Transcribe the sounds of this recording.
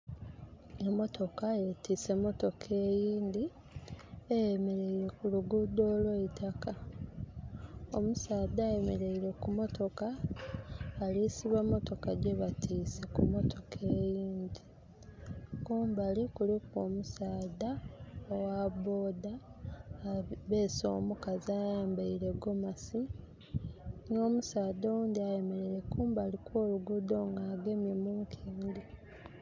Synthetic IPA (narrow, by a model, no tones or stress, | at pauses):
emo̞tʰo̞kaetiːse̞mo̞to̞kʰe̞ːjiːnd̪i | ejemeɾe̞iɾe̞kuluɡud̪oːlweitʰaka | omusaːdaemeɾeiɾe̞kumo̞tʰo̞kaː | lisiβamːo̞to̞kaɟe̞βatʰiːse̞kumo̞tʰo̞kʰe̞ːjiːnd̪i | kuːmbalikulikwoːmusaːdaowabo̞ːdaː | βe̞ːso̞̰ːmukaziajaːmbaiɾe̞ɡo̞masi | no̞ːmusaːd̪owuːnd̪iaje̞me̞ɾeɾe̞kuːmbalikwoːluɡud̪o̞ːŋɡaːɡe̞mje̞muːŋkʰiːndi